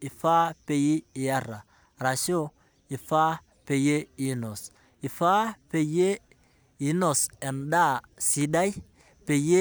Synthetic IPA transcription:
i˨fa˦pe˨ji˦i˨ja˦ɾa˨ | ɾa˨ʃo˦ | i˨fa˦ | pe˨je˦i˨no˨s | i˨fa˦pe˨je˦ | i˨˦no˨se˨nda˦˨si˨da˦j | pe˨je˦

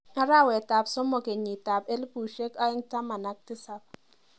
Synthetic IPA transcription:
a˦ɾa˦˨wɛ˨ta˨psɔ˦mɔ˨ke˨ɲi˨ta˨pe˦lpu˨ʃe˦ka˦ɪ˦ŋta˦ma˨na˦k̚tɪ˦sa˨p̚

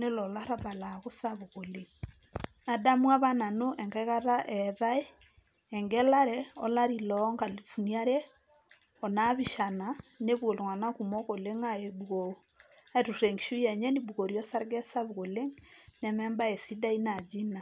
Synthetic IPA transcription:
ne˦lɔ˨la˦ɾa˦ba˨la˨ɣo˦sa˦βo˨ɣo˨le˦ŋ | na˨da˦mwa˦βa˦na˨no˦ʔɛ˨ŋka˦ka˦ɾa˦ʔɛ˨ɾa˦e˦ | ɛ˨ŋɡɛ˦la˦ɾɛɔ̰˦la˦ɾi˨lɔ˦ŋka˨lfu˨nia˦ɾɛ˦ | ɔ˨na˦βi˨ʃa˨na˨ne˦βwo˨lo˨ŋa˨na˦ku˨mɔ˦ko˨le˦ŋa˦e˨buɣo˨o˦ | a˦e˨tu˨rɛ˨ŋɡi˨ʃu˦jɛ˨ɲɛ˦ni˦buko˨ɾjɔ˦sa˦ɾɡɛ˦sa˦βo˨ɣo˨le˦ŋnɛ˦mɛ˦mba˦ɛ˨si˦da˦i˦na˨d͡ʒi˦na˨

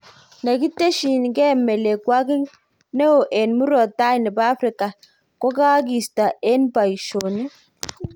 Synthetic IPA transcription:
na˨ɡi˦te˦ʃi˨n˨ɡɛ˦mɛ˨le˨kwa˦ɡɪ˦ŋ | nɛ˦o˨ʔɛ˨nmu˦ɾɔ˨ta˦i˨nɛ˨ba˦fɾi˨ka˨ | kɔ˦ka˦ɡ̬i˨sta˨ɛ˦nba˨i˨ʃo˨ni˦

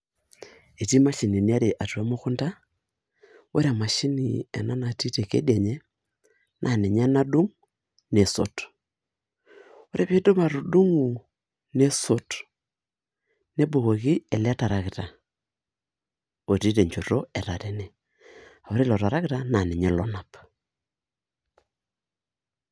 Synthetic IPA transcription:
e˨ti˦ma˦ʃi˨ni˨ni˦a˦ɾe˨ʔa˨twa˦mo˦ku˦nda˦ | o˦ɾe˦a˨ma˨ʃi˦ni˨ḛ˨na˦na˨ti˦te˨kḛ˦dja˨ɲe˦ | nʔa˨ne˨ɲa˦na˦du˦ŋ | ne˨so˨t | o˦ɾʔe˦βe˦do˦ma˨ɾo˨du˦ŋu˨ | ne˦so˦t | ne˦bo˨ɣo˨ɣi˦ɛ˨lɛ˦ta˨ɾa˨kɪ˨ta˨ | o˨ti˦te˨ɲt͡ʃo˨ɾo˦ɛ˨ɾa˨ɾe˦nɛ˨ | a˨o˨˦ɾe˦lɔ˨ɾa˨ɾa˦kɪ˦ta˨na˨nɛ˨ɲɛ˦lɔ˦na˨p

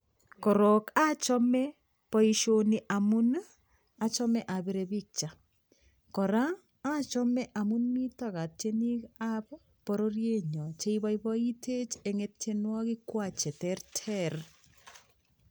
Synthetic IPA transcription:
ko˨ɾoka˦t͡ʃɔ˦mɛ | po˦iʃoni˨ʔa˨mu˦n | a˨t͡ʃɔ˦mɛ˦ʔa˨βeɾeβi˦k̚t͡ʃa˨ | ko˨ɾaː˦ | t͡ʃɔ˦mɛ˦ʔa˨mu˦nmi˦taɣa˨te˦ni˦kaβ | po˨ɾo˦ɾje˦ɲɔ˨t͡ʃe˦iβaiβɔi˦tʰe˦t͡ʃeŋetenwa˦ɣi˦kwa˦t͡ʃe˨tɛɾtʰɛɾ

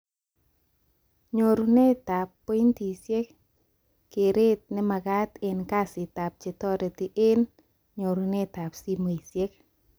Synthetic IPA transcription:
ɲo˨ɾu˨ne˦ta˨pːe˦i˦nt̪i˨sje˦k | kːe˨ɾe˦t̪̚nɛ˦ma˨ɡa˦t̪ɪ˨nka˦sɪ˨t̪a˨p̚t͡ʃe˨t̪ɔ˦ɾe˨t̪ɪ˦ʔe˦n | ɲo˨ɾu˨ne˦t̪a˨psi˦m˨e˨sje˦k̚

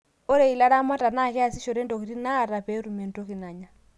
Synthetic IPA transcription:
ɔ˦ɾɛ˨i˨la˦ɾa˦ma˦ta˨na˦˨kɛ˦a˨si˦ʃɔ˨ɾɛ˦ndɔ˨ki˨ɾi˦na˦˨ɾa˨pɛ˦ɾu˨mɛ˨ntɔ˦ki˨na˨ɲa˨

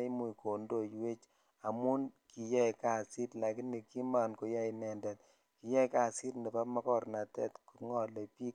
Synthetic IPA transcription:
i˦mu˨iko˨ndo˦˨jwe˦t͡ʃ | a˨mu˦nki˨jɛ˦ka˨si˦tla˨ki˦ne˨ki˦ma˨nko˨ja˦inɛ˨ndɛ˨t̚ | ki˨jɛ˦jka˦si˦tndɛ˨pa˦ma˦kɔ˦ɾna˨tɛ̰˦tku˨ŋɔ˦le˨pi˦

